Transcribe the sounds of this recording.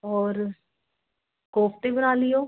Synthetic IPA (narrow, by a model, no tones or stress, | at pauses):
ɔːɾ | koːpt̪ebənaːlɪjoː